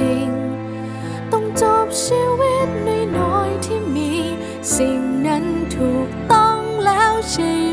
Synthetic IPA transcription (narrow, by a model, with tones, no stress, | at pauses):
i˧˩ŋ | t̪ə˧wŋ͡mt͡ɕɔ˧p̚si˧whɛ˦˥t̚nə˧jnɔ˧˥jt̪ʰi˧mmi˧˨ | si˧˩mɲə˧˦ŋt̪ʰu˨˩k̚t̪ɔ˧ŋlɛ˧˥wt͡ɕi˧˩